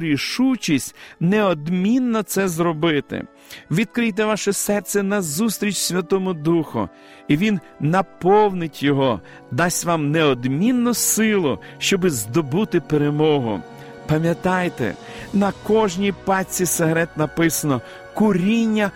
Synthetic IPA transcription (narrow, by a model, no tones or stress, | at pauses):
ɾʲiʃut͡ʃisʲtʲneɔd̪mʲinːɔt̪sɛzɾɔbɪt̪ɪ̰ | ʋʲid̪kɾɪjt̪ɛʋɑʃɛsɛrt̪sʲɛnɐzust̪ɾʲit͡ʃʲsʲʋʲɐt̪ɔmʊd̪uxʊ̰ | iʋʲinː | ɐpɔwnɪtʲjɔɦɔ | d̪ɑsʲʋɑmneɔd̪mʲinːʊsɪlˠʊʃt͡ʃɔbɪzd̪ɔbut̪ɪpeɾemɔɦʊ̰ | pɐmʲjɐt̪ɑjt̪ɛ̰ | nɐkɔʒnʲipɑt͡sʲiseɦɾɛt̪nɐpɪsɐnɔ | kʊɾʲinʲːɐ